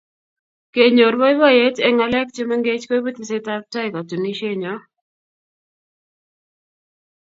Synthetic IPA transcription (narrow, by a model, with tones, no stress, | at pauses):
ke˨ɲo˨ɾwa˦ɪ˦wa˦je˦tɛ˨ŋa˨lɛ˦kt͡ʃe˦mɛ˦ŋɡe˦t͡ʃko˦i˦be˦t̪i˨seta˦k̚ta˦ɪ˨ka˨tu˨ni˦ʃe˦ɲɔ˨˦